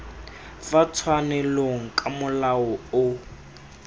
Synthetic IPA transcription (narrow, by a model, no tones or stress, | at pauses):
fat͡sʰwanɛloŋ̩kʼamʊlaɔʊ